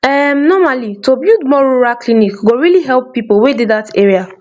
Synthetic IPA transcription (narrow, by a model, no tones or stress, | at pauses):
ɛmnɔmalitobjudmɔɹuɹaklinikɡoɹiliɦɛlˠpːipowedidateɹia